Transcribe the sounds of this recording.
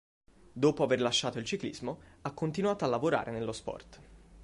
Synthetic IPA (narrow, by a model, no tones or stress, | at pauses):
d̪oːpoaverlaʃːaːt̪oilt͡ʃiklḭzmoakːont̪inuwaːt̪oalːavoɾa̰ːɾʔenelːospɔ̰rt̪